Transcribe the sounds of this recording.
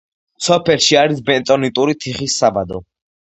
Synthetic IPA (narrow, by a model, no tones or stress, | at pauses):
sɔpʰɛlʃiaɾisbɛnt̪ʼɔnit̪ʼuɾit̪ʰiχisːabad̪ɔ̰